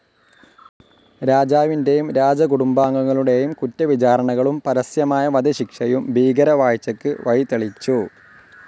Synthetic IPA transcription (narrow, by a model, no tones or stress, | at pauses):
ɾaːd͡ʑaːʋinde̞jumɾaːd͡ʑɐkuɽumbaːŋːɐŋːɐɭuɽe̞jumkutːɐʋit͡ɕaːɾɐɳɐɣɐɭumpɐɾɐsjɐmaːjɐʋɐd̪ɐɕikʂɐjumbʱiːɡɐɾɐʋaːjt͡ɕːɐkːɨʋɐjt̪eɭit͡ɕːu